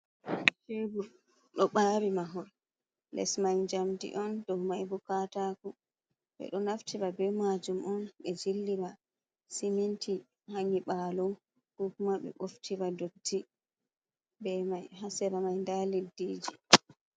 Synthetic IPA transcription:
febu | ɗɔɓaːɾimaɦɔɾ | lɛ̰smajd͡ʒamdḭʔɔndɔwmajbukataːku | ɓɛ̰ɗɔnaftiɾabɛmad͡ʒumʔɔnɓɛd͡ʒilːima | siminti | haɲiɓaːlum | hukmaɓɛ̰ɓoftʰiwadotːi | bɛmajɦasɛɾamajndalidiːd͡ʒi

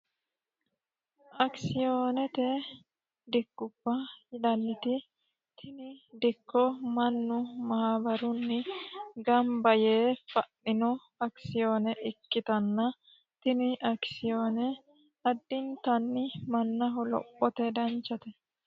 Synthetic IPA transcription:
ʔɐksɪjoːnɛt̪ɛ | d̪ɪɡːʊb̥ːɐɪd̪ɐnːɪt̪ɪ | t̪ʰɪnɪd̪ɪkːɔmɐnːʊmɐhabɐɾʊnːɪɡɐmbɐjeːfɐʔːɪnɔ | ɐksɪjoːnɛʔɪkːɪt̪ɐnːɐ | t̪ɪnɪʔɐksɪjoːnɛ | ɐd̪ːɪnt̪ɐnːɪmɐnːɐɦɔlɔ̰pʼːɔt̪ɛd̪ɐnt͡ʃːɐt̪ɛ

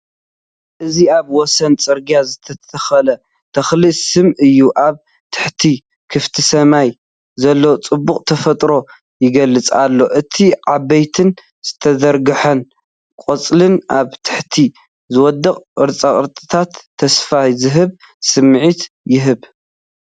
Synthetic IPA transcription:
ʔɨziaβwɔsɐnt͡sʼɨɾɡijazɨt̪ʰɐt̪ʰɐxɐlɐ | t̪ʰɐxlisɨmʔɨjːuʔaβ | t̪ʰɨ̥ħt̪ʰi | kʰɨft̪ʰisɐmaj | zɐlːot͡sʼɨbːuχʼt̪ʰɐfɐt̪ʼɾo̞ | jɪɡɐlːɨt͡sʼa̰lːo̞ʔɨt̪ʰiʕabɐjt̪ʰɨn | z̥ɨt̪ʰɐd̪ɐɾɡɨħɐn | kʷʼot͡sʼlɨnʔaβt̪ʰɨ̥ħt̪ʰi | zɨwɔd̪ɐqʼɨɾt͡sʼaχʼɨɾt̪ʼɨt̪ʰat̪ʰːɐsfahzɨɦɨβ | sɨmʕit̪ | jɪɦɨβ

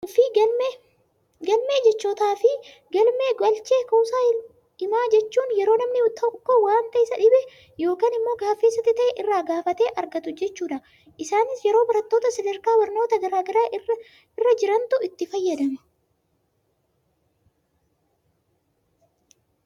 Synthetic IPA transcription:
fɪ | ɡɐlmeːd͡ʒɛt͡ʃːoːt̪aːfɪ | ɡɐlmeːɡɐlt͡ʃeːkɐwsaːɪ | ɪmaːd͡ʒɛt͡ʃːuːnjɛɾo̞ːnɐmnɪt̪ʰɐkːoːwaːnt̪ɐɪsɐᶑɪbɛ | jo̞ːkaːnɪmːo̞ːɡaːfːeːsɐt̪ːɪt̪ɐʔɛʔɪrːaːɡaːfɐt̪e̞ːʔɐɾɡɐt̪ʊd͡ʒɛt͡ʃːuːᶑɐ | ʔɪsaːnɪsjɛɾo̞ːbɐɾɐt̪ːo̞ːt̪ɐsɐd̪ɐɾkaːwɐɾno̞ːt̪ɐɡɐɾaːɡɐɾaːʔɪrɐ | ɪrːɐd͡ʒɪɾɐnt̪ʊɪt̪ːɪfɐjːɐd̪ɐmɐ̥

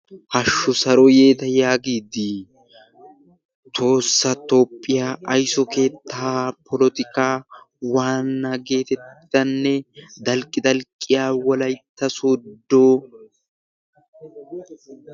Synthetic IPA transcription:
hɐʃːʊsɐɾɔje̞ːt̪ɐjaːɡiːd̪i | t̪ʰo̞ːsːɐt̪o̞ːpʼːɪjaːʔːjsɔke̞ːt̪ːaːpɔlɔt̪ɪkaː | waːnːɐɡe̞ːt̪ɛt̪ːɪ̥d̪ɐnːɛd̪ɐlkʼːɪd̪ɐlkʼːɪjaːwɔlɐjt̪ːɐsoːd̪ːo

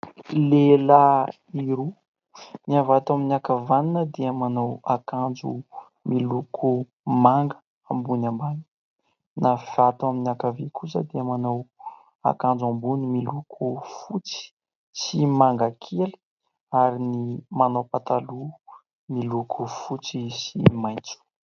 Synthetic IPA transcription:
lela | iɾu | niavat̪aminiakavaninəd̪eamanowakand͡zṵ | milukʰu | maŋɡə̥ | ambunambani̥ | nafiat̪uaminakavekʰusəd̪eamanow | a̰kand͡zambunimilukʰufut͡si̥ | simaŋɡakʰelə̥ | aɾinimanowpat̪alu | milukʰufut͡sisimajt͡su̥

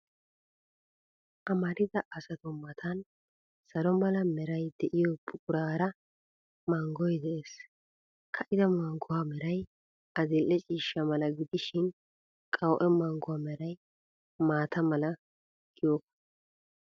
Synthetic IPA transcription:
ʔɐmɐɾɪd̪ɐʔɐsɐt̪ɔmɐt̪ʰɐn | sɐlɔmɐlɐmɛɾɐjd̪̥ɛʔɪjɔpʼʊkʼʊɾaːɾɐ | mɐŋɡɔjd̪ɛʔeːs | kʰɐʔɪd̪ɐmɐŋɡʊwaːmɛɾɐj | ʔɐzɪlʔːɛt͡ʃʼiːʃːɐmɐlɐɡɪd̪ɪʃɪn | kʼɐwʔɛmɐŋɡʊwaːmɛɾɐj | maːt̪ɐmɐlɐ | ɡ̥ɪjokːɐ̥

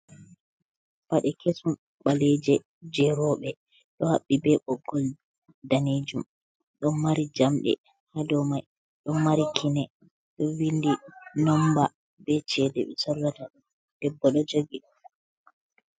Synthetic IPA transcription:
paɗɛkesum | ɓaled͡ʒɛ | d͡ʒɛɾɔɓɛ | ɗɔhaɓːibɛɓɔɡːɔl | daned͡ʒum | ɗɔnmaɾid͡ʒamɗɛ̰ | hadɔmaj | ɗɔnmaɾikʰinɛ | ɗɔwindinɔmba | bɛt͡ʃɛdɛ̰ɓɛsɔlːataɗ | d̥ɛbːɔɗɔd͡ʒoɡiɗɔ

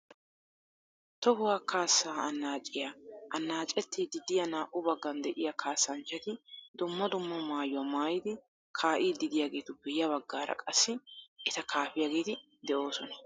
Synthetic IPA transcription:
t̪ɔhʊwaːkʰaːsːaːɐnːaːt͡ʃʼːɪjaɐnːaːt͡ʃʼɛt̪ʰːɪd̪ɪd̪ɪjɐnaːʔʊbɐɡːɐnd̪ɛʔɪjɐkʰaːsːɐnt͡ʃːɐt̪ɪd̪ʊmːɐd̪ʊmːɐmaːjʊwɐmaːjɪd̪ɪ | kʰaːʔiːd̪ɪd̪ɪjaːɡe̞ːt̪ʊpːɛjɐβɐɡːaːɾɐ̰kʼɐsːɪʔɪt̪ɐkʰaːfɪjaːɡe̞ːt̪ɪ | d̪ɛʔo̞ːsɔnɐ

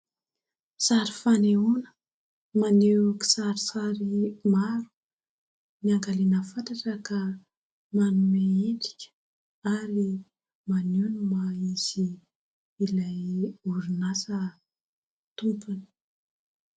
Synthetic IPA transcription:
saɾifaneunə̥ | maneki̥saɾisaɾimaɾu̥ | miaŋɡalenəfant̪aʈ͡ʂəka | manumeeʈ͡ʂi̥kʲə̥ | aɾi | manunmaizi | ilajuɾinasə | t̪umpuni̥

